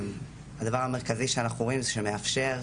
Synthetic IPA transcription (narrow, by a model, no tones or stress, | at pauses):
had̪avaʁame̞ʁkaziʃeanaχuoimzeʃemeafʃe̞ʁ